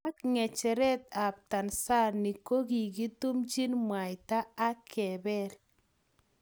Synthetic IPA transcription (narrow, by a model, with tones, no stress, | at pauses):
a˦kŋɛ˨t͡ʃɛ˨ɾɛ˦t̪a˨p̚ta˨nsa˦˨ɾni˨ko˦ɡi˨ɡi˦tu˦md͡ʒi˦nmwa˨jtaː˦kʰɛ˨bɛ˦ɾ